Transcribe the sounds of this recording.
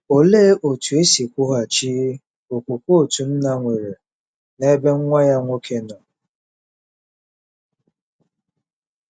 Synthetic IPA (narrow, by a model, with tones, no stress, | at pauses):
o˨le˦ʔo˨tu˨e˦si˨kʷʊ˦ɦa˨t͡ʃiː˦ | o˨kʷu˨kʷo˦o˦˨tu˨n̩˦na˦ŋʷe˨ɾe˨ | ne˦be˦ŋ̩˦ŋʷa˦ja˦ŋʷo˦kʰe˦nɔ˨